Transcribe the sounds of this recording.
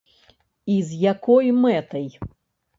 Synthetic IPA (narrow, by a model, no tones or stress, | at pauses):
izjakɔjmɛt̪ɐj